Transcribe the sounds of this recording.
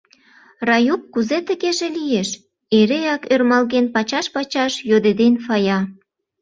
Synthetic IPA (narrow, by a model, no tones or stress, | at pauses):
rɑjup̚kuzet̪ə̆ɣeʒĕlijeʃ | eɾejɑkørmɑlɣenpɑt͡ɕɑʃpɑt͡ɕɑʃjod̪ed̪enfɑjɑ